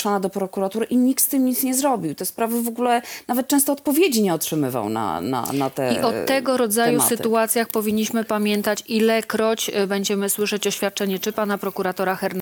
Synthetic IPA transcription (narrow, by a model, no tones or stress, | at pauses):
ʂɔnad̪ɔpɾɔkuɾat̪uɾɘʔiɲik̚t̪st̪ɘmɲit̪sɲɛzɾɔbʲiwt̪ɛspɾavɘvɔɡulɛnavɛt̪̚t͡ʂɛ̃st̪ɔːt̪pɔvʲjed͡ʑiɲɛɔtʂɘmɘva̰wna̰na̰a̰t̪ɛ̰iʔɔt̪ɛɡɔɾɔd̪zajusɘt̪uat̪sʲjaxpɔvʲiɲːiɕmɘpamʲjɛnt̪at͡ɕilɛkɾɔt͡ɕbɛɲd͡ʑɛmɘswɘʂɛt͡ɕɔɕfʲjat̪̚t͡ʂɛɲɛt͡ʂɘpanapɾɔkuɾat̪ɔɾaxɛɾn